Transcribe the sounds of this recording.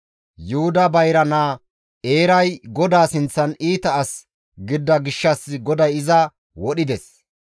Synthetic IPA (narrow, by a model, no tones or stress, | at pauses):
jʊhʊd̪ɐbɐjɾɐnaː | e̞ːɾɐjɡɔd̪aːsɪnt͡sːɐniːt̪ɐːs | ɡɪd̪ːɐɡɪʃːɐsɡɔd̪ɐjɪzɐ | wɔɗɪd̪ɛs